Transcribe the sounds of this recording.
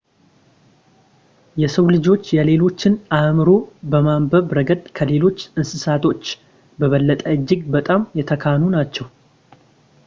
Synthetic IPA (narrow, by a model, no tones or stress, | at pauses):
jɛsəwlɨd͡ʒo̞t͡ʃːjɛle̞lo̞t͡ʃːɪnamɨɾo̞bəmambəβɾəɡəd̪kʰəle̞lo̞t͡ʃːɨnsɨsat̪ʰo̞t͡ʃː | bəβəlːət̪ʼəɨd͡ʒːɪɡbət̪ʼamjɛt̪ʰəkʰanunat͡ʃːɛw